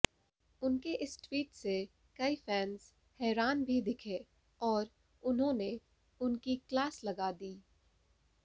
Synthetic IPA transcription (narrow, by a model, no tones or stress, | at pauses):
ʊnkeʔɪsʈwiːʈse | kɐifɛːnz̥ | hɛːɾaːnbʱid̪ɪkʰe | ɔːɾ | ʊnɦõne | ʊnkiklaːslɐɡad̪iː